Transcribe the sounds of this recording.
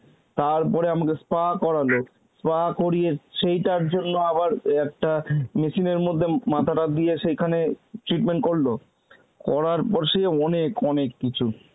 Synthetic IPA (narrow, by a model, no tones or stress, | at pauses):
t̪aɾpɔɾeamakespakɔɾalo | spakoɾijeʃejʈaɾd͡ʑonːoabaɾɛk̚ʈameʃineɾmod̪ʱːemat̪ʰaʈad̪ijeʃejkʰaneʈɾiʈmeɳʈ̚koɾlo | kɔɾaɾpɔɾʃeɔnekɔnekːit͡ɕʰu